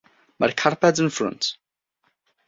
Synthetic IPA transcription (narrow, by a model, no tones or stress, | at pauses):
maɾkʰaɹpɛdzə̃nfɹʊ̰̃nt